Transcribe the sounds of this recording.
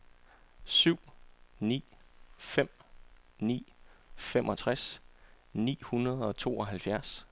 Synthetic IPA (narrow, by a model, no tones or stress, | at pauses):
syʊ̰nḭːfem̰nḭːfemʔɒ̽t͡sʰʁas | nḭːhunɐð̞̩ˠɒ̽t͡sʰo̝ːɒ̽ɦælfjæɐs